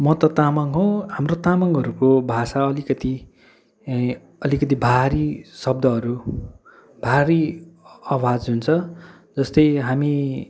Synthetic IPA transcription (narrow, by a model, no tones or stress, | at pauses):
mʌt̪ʌt̪amʌŋɦõɦamrot̪amʌŋɦʌɾukobʱasaʌlikʌt̪i | ʌlikʌt̪̬ibʱaɾisʌb̚d̪ʱʌɦʌɾu | bʱaɾiawad͡zɦunt͡sʰʌ | d͡zʌst̪ʌjɦami